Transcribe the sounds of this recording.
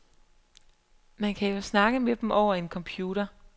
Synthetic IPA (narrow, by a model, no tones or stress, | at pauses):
mænkʰæjo̝snɑ̈ɡ̥əmed̥m̩ʔɒʊ̰ɐe̝nkʰɒ̽mpʰjuːɾɐ